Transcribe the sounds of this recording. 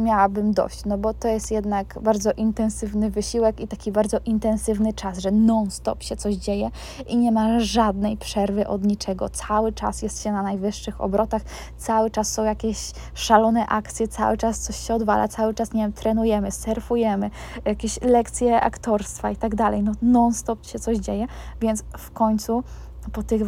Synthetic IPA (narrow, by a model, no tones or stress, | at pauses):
mʲjawabɘmd̪ɔ̰ɕt͡ɕnɔbɔt̪ɔjɛst̪jɛd̪nakbaɾd̪zɔʔint̪ɛ̃nsɘvnɘvɘɕiwɛkit̪akʲibaɾd̪zɔʔint̪ɛ̃nsɘvnɘt͡ʂasʐɛnɔnst̪ɔ̰pɕɛt̪ɔʑd͡ʑejɛ | ʔiɲɛmaʐad̪nɛjpʂɛɾvɘʔɔd̪ɲit͡ʂɛɡɔ̰t̪sawɘt͡ʂa̰sjɛst̪ɕɛnanajvɘʂːɘxɔ̰bɾɔt̪ax | t̪sawɘt͡ʂasːɔ̃w̃jakʲɛɕ | ʂalɔnɛʔakt̪sʲjɛt̪sa̰wɘt͡ʂast̪sɔɕɕɛɔd̪va̰la̰t̪sawɘt͡ʂasɲevjɛmt̪ɾɛnujɛmɘsɛɾfujɛmɘ | jakʲeɕlɛkt̪sʲjɛʔa̰kt̪ɔɾst̪fait̪aɡd̪alɛ̰jnɔnɔnst̪ɔpɕɛt̪sɔʑd͡ʑejɛ | vʲjɛnt̪sfkɔɲt̪su | pɔt̪ɘx